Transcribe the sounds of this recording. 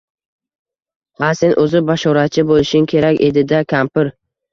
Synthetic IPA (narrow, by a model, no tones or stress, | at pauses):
hase̞nʔɵzɪbaʃɒɾat͡ʃʰɪbolɪʃɪŋkʲʰe̞ɾakʲe̞d̪ɪd̪akʲʰampɪɾ